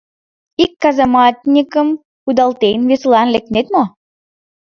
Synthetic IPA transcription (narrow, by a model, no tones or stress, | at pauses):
ikːɑzɑmɑt̪ʲnʲikəm | kud̪ɑlˠt̪ejnveslˠɑnlek̚t̪net̪mo